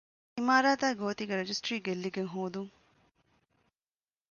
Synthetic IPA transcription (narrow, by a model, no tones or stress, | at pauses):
imaːɾaːt̪aːɡoːt̪iɡɐɾɐd͡ʒisʈɾiːɡelːiɡeŋɦoːd̪uŋ